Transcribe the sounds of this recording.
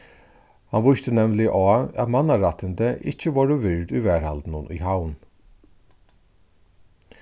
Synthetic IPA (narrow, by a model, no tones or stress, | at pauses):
hanʋʊʃt̪ənɛmlɪʔɔːæ̰t̪mɑnaɾat̪ʰənd̪əʔɪ̰t͡ʃəʋoːɾəʋɪɹd̪yːʋæːɹa̰ld̪nʊnʔy̰ːɦaʊn